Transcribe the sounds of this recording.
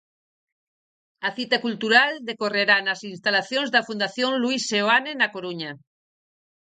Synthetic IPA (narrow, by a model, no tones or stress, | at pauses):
aθit̪ekult̪uɾald̪ekoreɾanasinst̪alaθjonzðafund̪aθjõnluisːeoanenakoɾuɲa